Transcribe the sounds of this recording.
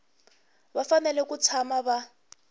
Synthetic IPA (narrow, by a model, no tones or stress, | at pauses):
βafanɛlɛkut͡sʰamaβa